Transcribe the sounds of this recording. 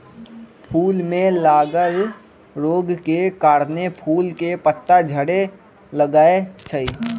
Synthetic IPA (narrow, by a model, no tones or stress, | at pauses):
pʰuːlmẽlaːɡəl | ɾoːɡkekaːɾnepʰuːlkepət̪ːad͡ʒʱəɽe | ləɡaːet͡ʃʰəiː